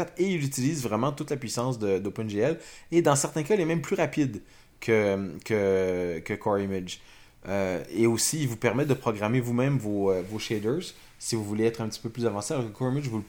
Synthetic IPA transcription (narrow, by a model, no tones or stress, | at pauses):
at̪eilyt̪iliːzvʁɛmɑ̃t̪ut̪lapɥisɑ̃s̬d̪əd̪opɛnʒeɛled̪ɑ̃sɛʁt̪ɛ̃kailɛmɛ̃mplyʁapid̪ | kʰʲəmkʲʰəkʲəkʰɔʁimɪd͡ʒ | øeosiːlvupɛʁmɛd̪əpχɔɡʁamevumɛ̃mvoøvoʃɛd̪ø˞z | sivuvuleɛːt̪χɛ̃pət̪i̥pøplyzavɑ̃sealɔɑʁkəkɔʁimɪd͡ʒvul